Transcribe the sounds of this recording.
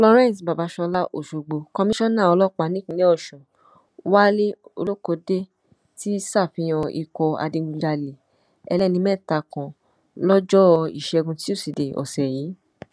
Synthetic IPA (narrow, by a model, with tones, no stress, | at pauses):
ɔ˧lɔ˧ɾ̃ɛ̃˦˨sba˨ba˨˦ʃɔ˧la˦ʔo̰˦˨ʃo˨ɡ͡bo˧kɔ˧mĩ˦ʃɔ̃˦nã˦˨ɔ˧lɔ˦k͡pa˨˧˦nĩ˦kũ˧˦le˦ɔ˦˨ʃɔ̃˨ | wa˦le˦o̰˧lo˦ko˧˦de˦ | ti˦sa˦˨fĩ˧j̃ɔ̃˧ʔḭ˧˨kɔ˧a̰˧de˧ɡũ˧d͡ʒa˧le˨ | ɛ˧lɛ˦˨nĩ˧˦mɛ̃˦˨ta˨˧kɔ̃˨ | lɔ˦d͡ʒɔ˦˧ḭ˨ʃɛ˨˧ɡũ˧ti˦o˦˨si˨de˨ʔɔ̰˨sɛ˨ji˨˦